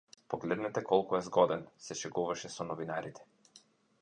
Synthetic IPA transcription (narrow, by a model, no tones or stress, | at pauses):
pɔɡlɛd̪nɛt̪ɛkɔlˠkuɛzɡɔd̪ɛnsɛʃɛɡuvaʃɛsɔnɔvinaɾit̪ʰɛ̥